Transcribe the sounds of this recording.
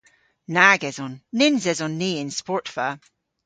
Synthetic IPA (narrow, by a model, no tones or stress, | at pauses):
naɡɛzɔ̃nːɪnzɛzɔnːiɪ̃nspɔɹtfə